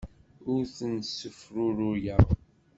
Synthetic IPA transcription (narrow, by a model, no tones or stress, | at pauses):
ʊɾθənsəfɾʊɾʊjæʁ